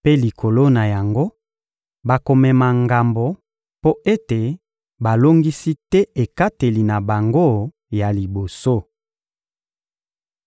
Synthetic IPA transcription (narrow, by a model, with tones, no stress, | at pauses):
pe˦li˨kʰo˨lo˦na˨ja˨ŋɡo˦ | ba˨ko˨mɛ˨ma˨ŋɡa˨mbo˨ | po˦e˦te˨ | ba˨lo˦ŋɡi˦si˦tɛ˦e˨ka˦te˨li˨na˨ba˨ŋɡo˦ | ja˨li˨bo˨so˦